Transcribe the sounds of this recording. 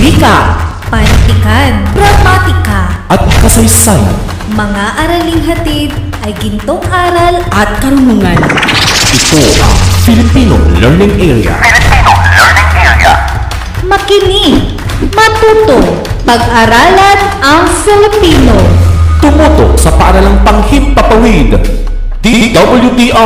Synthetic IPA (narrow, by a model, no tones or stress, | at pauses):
bika | pɐnt̪ɪkanbɾɐmat̪ɪkaʔɐt̪̚kɐsɐjsana̰n | mɐŋaʔɐɾɐliŋɦɐt̪id̪ | ʔɐjɡɪnt̪oŋʔaːɾalʔɐt̪̚kɐnɦuŋanʔɪt̪oʔɐ̰ŋfɪlɪpino̰ŋlɛɹnɪŋʔɛɹḭa̰fɪlɪpinolɛɹnɪŋʔɛɹ̰a̰ | mɐkɪni | mɐt̪uːt̪oŋ | pɐɡ̚ʔɐɾaːlɐnɐŋfɪlɪpiːnot̪ʊmut̪o̰k̚sɐpɐʔɐɾalaŋpɐŋhit̪̚pɐpɐwid̪ | d̪̥id̪ɐbɐljud̪iʔa